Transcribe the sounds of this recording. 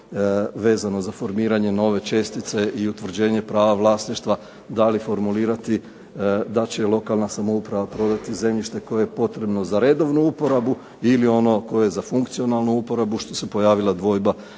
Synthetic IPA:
ʋe̞ːzano̞zafo̞ɾmiːɾaɲe̞no̞ʋe̞t͡ʃe̞st̪it̪se̞ʔiut̪ʋr̩d͡ʑe̞ːɲe̞pɾaːʋaʋlˠaːsniʃt̪ʋa | d̪alifo̞ɾmuliːɾat̪i | d̪at͡ɕe̞lˠo̞kalˠnasamoupɾaʋapɾo̞d̪at̪ize̞mʎiʃt̪e̞ko̞jejepo̞t̪ɾe̞bno̞zaɾe̞d̪o̞ʋnuupo̞ɾabu | ilio̞no̞ko̞jezafuŋkt̪sio̞nalˠnuupo̞ɾabuʃt̪o̥sepo̞jaːʋilˠad̪ʋo̞ːjba

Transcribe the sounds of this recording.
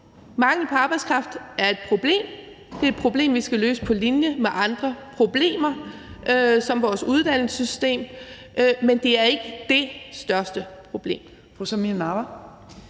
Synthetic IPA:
mɑ̈ŋl̩əpʰɒ̽ɑ̈ːb̥aɪskʰʁɑ̈fd̥æɐe̝d̥̚pʰʁo̝b̥le̝̰ːm | d̥e̝ed̥̚pʰʁo̝b̥le̝̰ːmʋisɡ̥ælø̰ːsə̥pʰɒ̽linjəmeʔɑ̈nd̥ʁɐpʰʁo̝b̥le̝̰ːmɐ | øsɒ̽mʋɒːsuð̞ˠd̥æn̰l̩sysd̥e̝̰ːm | ʔmend̥e̝æɐe̝ɡ̥əd̥e̝sd̥ɶɐsd̥əpʰʁo̝b̥le̝̰ːm | fosɔminɑʋɐ

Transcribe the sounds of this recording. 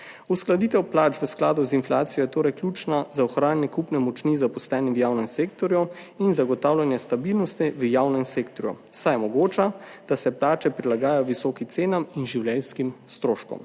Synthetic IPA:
usklad̪iːt̪ɛwplaːt͡ʃʋəsklaːd̪uzinflaːt̪sijɔjɛt̪oːɾɛjklʲjuːt͡ʃnazaɔxɾaːnnɛkupnɛmɔt͡ʃnizapɔst̪ɛːniʋjaːwnɛmseːk̚t̪ɔɾjɔ | inzaɡɔt̪aːwlʲanjɛst̪abilnɔst̪iʋəjaːwnɛmseːk̚t̪ɔɾjɔ̰ | sajmɔɡoːt͡ʃad̪̥asɛplaːt͡ʃɛpɾilaɡaːjajɔʋisɔkimt̪seːnaminʒiwlɛlskimst̪ɾoːʃkɔ̰m

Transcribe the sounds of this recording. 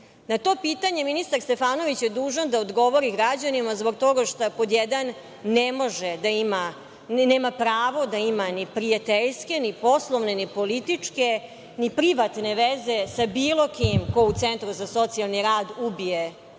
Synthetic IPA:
nat̪o̞ːpiːt̪aɲe̞minist̪aɾst̪e̞faːnoʋit͡ɕjed̪uːʒad̪aod̪ɡo̞ʋoɾiɡɾad͡ʑanimazbo̞ɡ̚t̪o̞ɡaʃt̪apod̪jed̪anː | emo̞ʒed̪aima | neːmapɾaːʋo̞d̪aimanipɾijat̪eʎske̞nipo̞slˠoʋne̞nipo̞lit̪it͡ʂke̞ | nipɾiʋat̪ne̞ʋeze̞sabiːlˠo̞kimkout̪sent̪ɾuzaso̞t̪sialˠniɾaːd̪ubije

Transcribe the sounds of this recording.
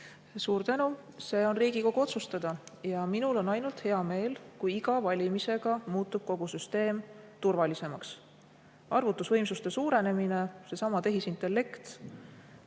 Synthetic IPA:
suːɾt̪ænu | se̞ːo̞nriːɡiko̞ɡ̥uo̞t̪sust̪ɑd̪̥ɑjɑminulo̞nɑjnult̪he̞ɑme̞ːlkujiɡɑvɑlʲimise̞ɡ̥ɑmuːt̪ːˑub̥̚ko̞ɡ̥usyst̪e̞ːmt̪urvɑlise̞mɑks | ʔɑrvut̪ːˑusvɤ̞jmsust̪e̞suːɾe̞ne̞mine̞se̞sɑmɑt̪e̞ɦisint̪ˑe̞lːe̞kt̪

